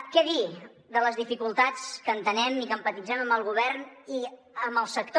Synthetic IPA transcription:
kɛði | d̪ələzðifikulˠt̪at͡skənt̪ənɛmikəmpət̪id͡zɛməmbəlˠɣuβ̞ɛrni | əməlˠsək̚t̪

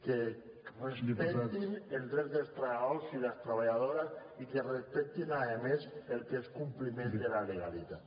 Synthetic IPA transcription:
ke | respet̪ineld̪ɾɛðelst̪ɾaolsilast̪ɾaβaʎaðoɾasikerespɛk̚t̪inaemeselkeskumplimẽnd̪elaleɣalit̪a

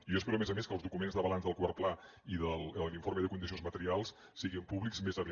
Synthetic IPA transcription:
ijoəspɛɾuəmezəmeskəlˠzðukumenzðəβəlanzðəlˠkwaɾpla | iðəlˠəliɱfoɾməðəkund̪isionzmət̪əɾialˠs | siɣimpuβlikzmezəβ

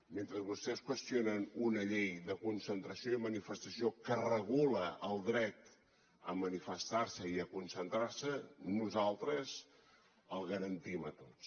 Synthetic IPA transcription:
ment̪ɾəzβust̪ɛskwəst̪ionənunəʎejðəkunsənt̪ɾəsioiðəmənifəst̪əsiokərəɣuləʔəːlˠd̪ɾɛt̪ | əmənifəst̪aɾsəiəkunsənt̪ɾaɾsənuzalˠt̪ɾəz | əlˠɣəɾənt̪imət̪ott͡s

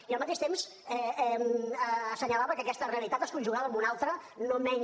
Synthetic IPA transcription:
iəlˠmət̪eʃt̪emz | ɛɛməːsəɲəlaβəkəkɛst̪əreəlit̪at̪əskunʲʒuɣaðəːmbunalˠt̪ɾənomɛɲ

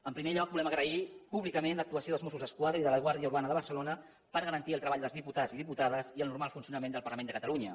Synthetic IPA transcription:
əmpɾimeʎɔk̚bulɛməɣɾəipuβlikəmenlək̚t̪uəsijoðəlzmosuzðəskwaðɾəiðələɣ̞waɾðiəuɾβ̞anəðəβ̞əɾsəlonə | pəɾɣəɾənt̪iəlˠt̪ɾəβaʎd̪əlˠzðiput̪aziðiput̪aðəziəlˠnuɾmalˠfunsiunəmẽnd̪əlˠpəɾləmenəkət̪əluɲə

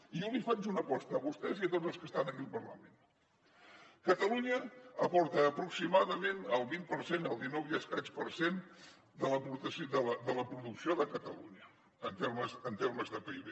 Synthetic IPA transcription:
iulifad͡ʒunəpɔst̪əːβust̪ɛziət̪od͡zəlˠskəst̪anəkimpərlə̰mẽn | kət̪əluɲəəpɔɾt̪əːpɾuksimaðəmenəlˠβinpəɾsenəlˠd̪inɔwjəskaspəɾsen | d̪ələput̪əsd̪ələd̪ələpɾuðuksioðəkət̪əluɲəː | nt̪eɾməzənt̪erməzðəpiβe

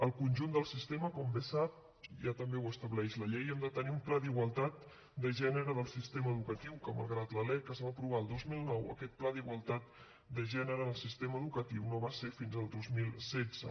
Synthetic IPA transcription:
əlˠkunʲʒund̪əlˠsist̪eməkɔmbesap̚ | ʒat̪əmbewəst̪əβlɛʃləʎejɛmd̪ət̪əniumplaðiɣwəlˠt̪at̪̚ | d̪əʒɛnəɾəðəlˠsist̪eməːðukət̪iwkəmə̰lˠɣɾat̪ləlɛkəzβapɾuβ̞aəlˠd̪ozmilˠnɔwə̰kɛt̪̚plaðiɣwəlˠt̪at̪̚ | d̪əʒɛnəɾəðəlˠsist̪eməðukət̪iwnoβasefinzəlˠd̪ozmilˠsɛd͡zə̰

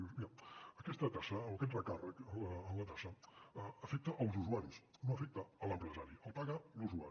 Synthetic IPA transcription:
usmiaəkɛst̪ət̪asəoəkɛt̪rəkarəkəəːmlət̪asəəəfɛk̚t̪əʔəlˠzuzuaɾisnoəfɛk̚t̪əələmpɾəzaɾiəlˠpaɣəluzua̰

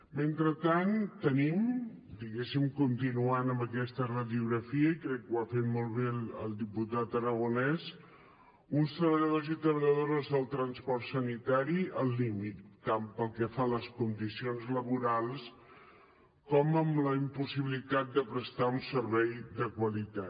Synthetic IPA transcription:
ment̪ɾət̪ant̪ənim | d̪iɣesimkunt̪inuanəmbəkɛst̪ərəðiuɣɾəfiəikɾɛkːwafet̪mɔlˠβeəlˠd̪iput̪at̪əɾəɣ̞unɛs | unst̪ɾəβəʎəðozit̪ɾəβəʎəðoɾəzðəlˠt̪ɾənspɔrt̪sənit̪aɾiəlˠːimit̪ːampəlˠkɛfaləskund̪isionzləβuɾalˠs | kɔməmləimpusiβilit̪at̪̚d̪əpɾəst̪aunsəɾβɛjd̪əkwəlit̪at̪

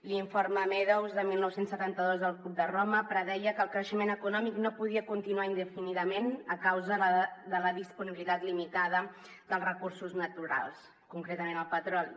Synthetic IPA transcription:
liɱfoɾməmɛðəwzðəmilˠnɔwsensːət̪ant̪əðozðəlˠkup̚d̪əroməpɾəðɛjəkəːlˠkɾəʃəmenəkunɔmiknopuðiəkunt̪inuaind̪əfiniðəmenəkawzəðələðispuniβilit̪at̪limit̪aðə | ðəlˠrəkuɾsuznət̪uɾa̰lˠs | kuŋkɾet̪əmenəlˠpət̪ɾɔli

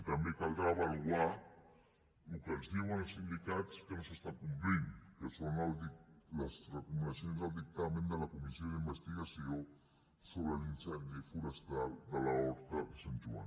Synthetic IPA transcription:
it̪amekalɡɾaβalɣwa | ukelsnewansind̪ikat̪skensast̪akumpɾiŋkesonaldilasrekumenasjonzðald̪ik̚t̪amẽnd̪əlakumisjoðimbest̪iɣasjo | soβɾelinsenefuɾest̪ald̪əlaoɾt̪akesent̪ua̰n

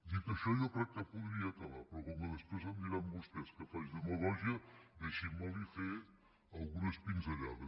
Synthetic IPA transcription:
d̪ik̪əʃɔjokɾɛk̚t̪əpuðɾiat̪ɐlapɾɔkɔməðəspɾezənd̪iɾambust̪ɛskəfajzðəməɣɔʒiəd̪eʃimalife | ɐlˠɣunəspinzɐʎa̰ðə

